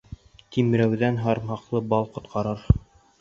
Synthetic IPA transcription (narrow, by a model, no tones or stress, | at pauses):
t̪imɾæwðænɦɑɾmhɑqlˠɤbɑlˠqŏt̪qʰɑɾɤɾ